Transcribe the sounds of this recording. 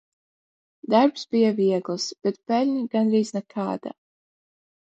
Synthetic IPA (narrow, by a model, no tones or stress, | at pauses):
d̪aɾpsbijaviɛɡlˠsb̥ɛt̪pɛlʲɲʲiɡanɾiːznɛkʰaːd̪̥a̰